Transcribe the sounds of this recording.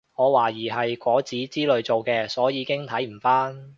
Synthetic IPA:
ŋɔː˨˧waː˨˩jiː˨˩ɦɐ˨jkʷɔː˨˥t͡siː˨˥t͡siː˥lɵ˨˧ɥt͡so˨wkɛː˧sɔː˨˥jiː˨˧˥kɪ˥ŋt̪ʰɐ˨˥jm̩˨˩faː˥n

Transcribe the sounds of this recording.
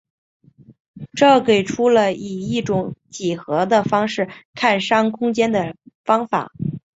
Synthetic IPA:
ʈ͡ʂɤ˥˩ke˨˩ɪʈ͡ʂʰu˥lə˧i˨˩i˥˩ʈ͡ʂʊ˧˥˦ŋt͡ɕi˨˩xɤ˧˥d̪ə˧fɑ˥ŋʂɻ̩˥˩kʰa˥˩nʂɑ˥ŋkʰʊ˥ŋt͡ɕjɛ˥nd̪ə˨˩fɑ˥ŋfa̰˨˩˦

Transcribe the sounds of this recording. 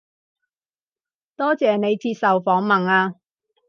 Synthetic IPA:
t̪ɔː˥t͡sɛː˨ne˨˧jt͡siː˧t̚sɐ˨wfɔː˨˥ŋmɐ˨naː˧

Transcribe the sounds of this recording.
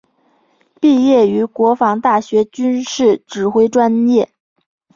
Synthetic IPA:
pi˥˧jɛ˥˩y˧˥kwɔ˧˥fɑ˧˥ŋt̪a˥˩ɕɥɛ˧˥t͡ɕy˥nʂɻ̩˥˩ʈ͡ʂɻ̩˨˩xwe˥ɪʈ͡ʂwa˥njɛ˥˩

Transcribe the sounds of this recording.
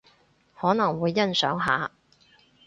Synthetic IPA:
hɔː˨˥nɐ˨˩ŋwuː˨˧jːɐ˥nsœ̰ː˨˥ŋɦa̰ː˨

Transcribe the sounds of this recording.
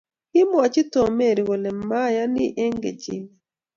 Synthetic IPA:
hi˦mwa˨ci˦to˨me˦˨ɾi˨we˨ne˨ma˦ja˦ni˦ʔe˦ŋɡḛ˨cḭ˨mi

